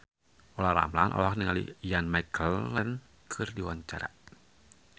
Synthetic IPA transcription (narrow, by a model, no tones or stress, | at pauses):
ʔolahɾa̰mlanʔo̰lahniŋalḭjanmajkʰəlːɛn | kʰɨrdiwaɲt͡ʃaɾa̰ʔ